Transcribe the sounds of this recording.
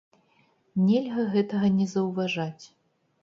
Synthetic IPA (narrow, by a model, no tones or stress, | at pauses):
nʲɛlʲɣɐɣɛt̪ɐɣɐnʲɛzɐwvaʐat͡sʲ